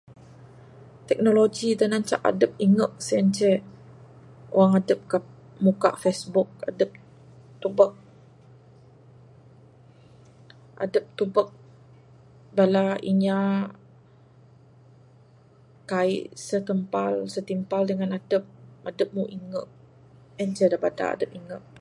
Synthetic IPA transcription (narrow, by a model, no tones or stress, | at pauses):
t̪ɛk̚noloɡidənaɲt͡ʃa̰ʔa̰dəp̚iŋəʔ̚səənt͡ʃɛ | oaŋadəp̚ka | muka̰ʔfesbuk̚a̰dəp̚ | t̪ubək̚ | ʔa̰dəp̚t̪ubək̚ | balaiɲa | kaḭʔsək̪əmpalsət̪impaldəŋanadəp̚adəp̚muʔiŋə̰ʔ̚ | ɛnt͡ʃɛdabada̰a̰dəp̚iŋəʔ̚